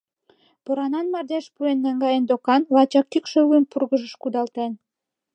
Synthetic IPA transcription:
pŏɾɑnɑnmɑrd̪eʃpuenːæŋɡɑjend̪okɑnlɑt͡ɕɑk̚t̪ykʃøuənpurɣə̆ʒə̆ʃkud̪ɑlt̪en

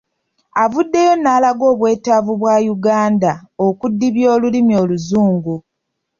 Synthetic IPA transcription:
avudːe̞jo̞nːaːlaɡo̞ːβwe̞ːtavuβwaːjuɡaːndao̞kudːiβjo̞ːlulimio̞luzuːŋɡu

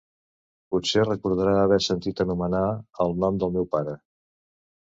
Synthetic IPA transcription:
putserəkuɾð̞əɾaəβɛsənt̪it̪ənumənaəlˠnɔmd̪əlˠmɛwpaɾə

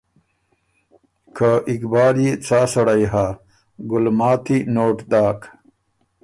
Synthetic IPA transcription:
kʰaʔikbaːɾjet͡saːsɐɽɐjɦaː | ɡulmaːt̪ʰinoːʈd̪aːk

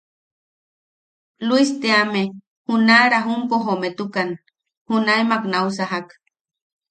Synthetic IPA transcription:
luist̪eame | hunaɾaɦumpoɦomet̪ukan | hunaemaknausaɦak

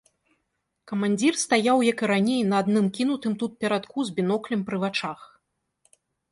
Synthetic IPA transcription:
kɐmanʲd͡zʲirst̪ajawjakɨɾanʲejnɐːd̪nɨmkʲin̪ut̪ɨmt̪ut̪̚pʲɛɾat̪kuzʲbʲinɔklʲimpɾɨvat͡ʂax

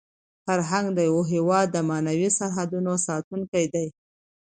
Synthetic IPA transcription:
faɾɦaŋɡd̪əjawoɦewɑd̪ːəmɑnawisaɾɦad̪unosɑt̪uŋkajd̪aj

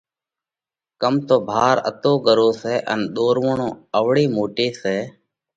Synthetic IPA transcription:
kəmt̪oːbʱaːɾə̰t̪oːɠəɾoːseːʔə̰nɗ̪oːɾʋəɳõːəʋɽiːmoːʈiːseː

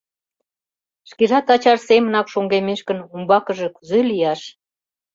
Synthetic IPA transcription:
ʃkeʒɑt̪ɑt͡ɕɑʃsemənɑkʃoŋɡemeʃkənumbɑkə̆ʒĕkyzelijɑʃ

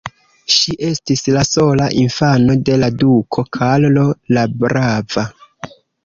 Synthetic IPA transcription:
ʃiʔe̞stislaso̞laʔinfano̞de̞ladukʰo̞kʰallolabɾava

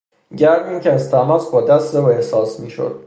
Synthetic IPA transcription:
ɟæɾd̪iːncʰʲeæzt̪ʰæmɒːsbɒːd̪æst̪ɾevehsɒːsmiːʃo̰d̪̥̚

